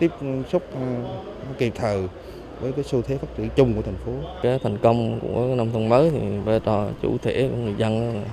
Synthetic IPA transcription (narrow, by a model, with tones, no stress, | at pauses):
t̪i˦˥p̚sʊ˦˥k͡p̚ | nɔ˨˦ki˨˩p̚t̪ʰəː˨˩ | vəː˨˦jkaː˨˦jsu˧t̪ʰe˨˦fa˦˥t̚zɨ̰˧˨t͡ɕʊ˧ŋ͡mku˧˩ət̪ʰa˨˩ŋ̟fo˨˦kaː˨˦jt̪ʰa˨˩jŋ̟kə˧wŋ͡mkṵ˧˩˥əkaː˨˦jna˧mt̪ʰə˧wŋ͡mməː˨˦t̪ʰi˨˩ɓə˧˩t͡ɕɔ˨˩t͡ɕṵ˧˩t̪ʰe˧˩kṵ˧˥ŋɨ˨˩əjzə˧nʔa˧a˨˩